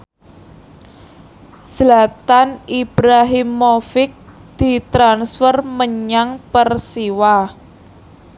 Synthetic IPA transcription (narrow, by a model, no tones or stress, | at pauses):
slat̪anib̥ɾaɦɪmːofɪk̚d̪̥i̤t̪ɾansfərməɲaŋpərsiwa